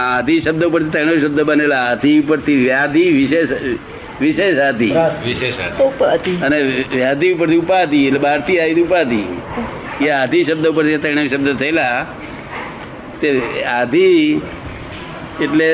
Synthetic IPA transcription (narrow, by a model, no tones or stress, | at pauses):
ad̪ʱiʃəbd̪əupəɾt̪ʰit̪əɽ̃eʃəb̚d̪əbənelaːd̪ʱiupəɾt̪ʰiʋjad̪ʱiʋɪʃeʃ | ʋɪʃeʃad̪ʱḭʋiʃeʃa̰pad̪iəneʋjad̪ʱiupəɾt̪ʰiupad̪ielebaɾt̪ʰiaid̪upad̪i | jead̪ʱiʃəb̚d̪ʱəupəɾt̪ʰit̪əɽ̃aʃəb̚d̪ət̪ʰəela | t̪ead̪ʱi | eʈle